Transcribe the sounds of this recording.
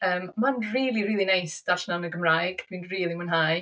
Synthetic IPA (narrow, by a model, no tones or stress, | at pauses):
əːmmanriːlˠiɾiːlˠinajsd̥aɬnawnəɡəmrajɡ̥d̥inriːlˠimənɦaj